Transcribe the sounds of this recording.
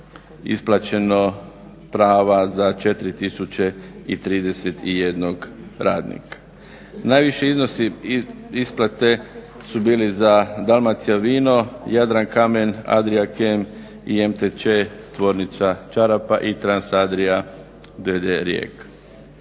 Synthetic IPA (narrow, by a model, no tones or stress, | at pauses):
ḭsplˠat͡ʃe̞no | pɾaːʋazat͡ʃe̞t̪ɾit̪isut͡ʃe̞it̪ɾiːd̪e̞set̪ije̞d̪noɡɾaːd̪nḭkʰḁ | naːjʋiʃeiznosi | isplˠat̪e̞ | subiːlizad̪almat̪sijaʋiːno̞jad̪ɾankame̞na̰d̪ɾiakem | iemt̪et͡ʃet̪ʋo̞ɾnit̪sat͡ʃaɾapaʔit̪ɾansad̪ɾija | d̪ed̪eɾjḛk